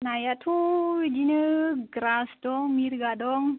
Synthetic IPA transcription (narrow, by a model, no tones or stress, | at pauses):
najat̪ʰud͡ʒinəɡɾasdɔŋmiɾɡadɔŋ